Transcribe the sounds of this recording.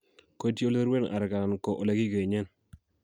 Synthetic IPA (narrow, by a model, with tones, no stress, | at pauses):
ko˦tjo˦le˦ɾwe˦na̰˨ɾka˨a˨nko˨ʔo˨le˦ki˦ke˨ɲɛ˦n